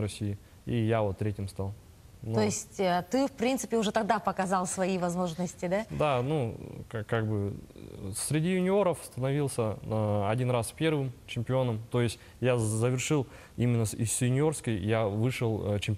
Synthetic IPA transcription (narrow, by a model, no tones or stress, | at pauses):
ɾɐsʲijɪ | ijavot̪ːɾʲetʲɪmst̪alˠ | noɪsʲtʲət̪ɨfpɾʲint̪sɨ̥pʲɪʊʐɛt̪ɐɡ̚d̪apəkɐzɑlˠsvɐivɐzmo̞ʐnəsʲtʲɪd̪ad̪anukakaɡ̚bɨ | sʲɾʲɪdʲijʊnʲɪo̞ɾəfst̪ənɐvʲilˠsʲəəɐdʲinraspʲe̞rvɨmt͡ɕɪmʲpʲɪo̞nəmt̪o̞jɪsʲtʲ | jazəvʲɪrʂɨlˠ | imʲɪnːəɪsjʊnʲɪo̞rskəjjavɨʂɨlˠt͡ɕɪmʲpʲ